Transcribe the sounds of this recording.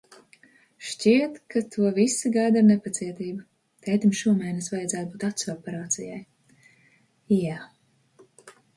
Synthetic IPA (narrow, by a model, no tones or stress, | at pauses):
ʃcʲiɛt̪kat̪ʰuɔvisiɡajd̪aɾnepat̪siɛt̪iːbu | t̪ɛjt̪imʃuɔmɛjnɛsvajad̪zæːt̪̚buːt̪at̪sɔpɛɾaːt̪sijaj | ja